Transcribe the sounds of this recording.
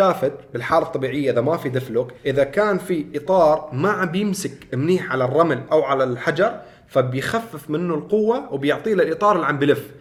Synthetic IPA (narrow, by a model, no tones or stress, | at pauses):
aːfɪd̪̚bɪlħaːlaɑt̪ˤːɑbiːʕɪjːaʔɪðamafid̪ɪflʊkʔɪðakaːnfiʔɪt̪ˤɑːɾˤmaʕabjɪmsɪkɪmniːħʕalarˤːɑmɪlʔawʕalalħad͡ʒɑɾˤ | fabjxafːɪfmɪnːʊlqʊwːawɪbjʊʕt̪ˤiːlɪlʔɨt̪ˤɑːɾˤɪlʕambɪlɪf